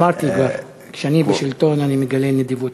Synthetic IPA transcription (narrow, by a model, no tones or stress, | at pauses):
aʁt̪iɡav | kʃeanibeʃilt̪o̞nanimeɡalened̪ivut̪